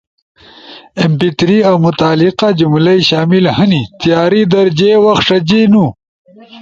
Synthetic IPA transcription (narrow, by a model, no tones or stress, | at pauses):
empit̪ɾiawmʊt̪aːliqad͡ʒumlɐjɕaːmilhɐnit̪ijaːɾid̪ɐɾd͡ʑewɐxʂɐd͡ʑenu